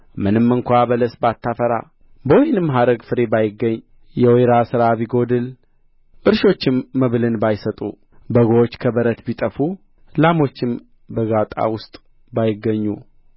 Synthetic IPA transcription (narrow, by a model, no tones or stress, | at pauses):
mɨnɨmːɨŋkʷabələsbat̪ːafəɾa̰ | bəwɔjnɨmːɦad̪əɡfɨɾe̞bajɪɡːəɲː | jɛweɾasɨɾaβiɡo̞d̪ɨl | ʔɨɾʃo̞t͡ʃːɪmːəβlɨnbajsət̪ʼṵ | bəɡoot͡ʃːkʰəbəɾət̪bit̪ʼəfu | lamo̞t͡ʃːɪm | bəɡat̪ʼa̰wʊst̪ʼ | bajɪɡːəɲːu